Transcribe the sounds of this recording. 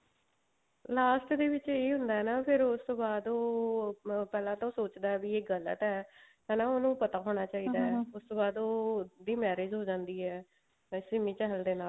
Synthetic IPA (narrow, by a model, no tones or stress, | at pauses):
laːsʈd̪eːʋɪt͡ʃeːɦʊ̃nd̪aːɛːnaːpʰɪɾʊst̪oːbaːd̪oː | pɛːlãːt̪õːsoːt͡ʃd̪aːɛːbiːeːɡəlːə̰t̪ɛːkɛ̃ːnaːoːnũːpət̪aːɦoːɽ̃aːt͡ʃaːiːd̪aːɦɛːʊst̪oːbaːd̪oːd̪iːmɛːɾeːd͡ʒɦoːd͡ʒãːnd̪iːɦɛː | sɪmĩːt͡ʃɛɦəld̪eːnaːl